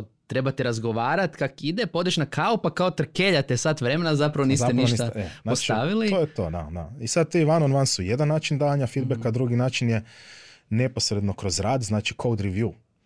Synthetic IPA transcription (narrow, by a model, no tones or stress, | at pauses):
t̪ɾe̞bat̪iɾazɡoʋaːɾat̪kakid̪epo̞d̪eʃnakʰaopakaot̪ɾ̩keʎat̪esat̪ʋɾe̞menazapɾaʋoniːst̪eniʃit̪anaost͡ʃt̪aʋiliojet̪oːd̪a̰d̪a̰isad̪̚t̪iiʋanonʋansujed̪anːaːt͡ʃind̪aːʋaɲafid̪̚bekad̪ɾuɡinaːt͡ʃinje | ne̞posɾed̪no̞kɾo̞zɾaːd̪znaːt͡ʃikʰowd̪ɾiʋju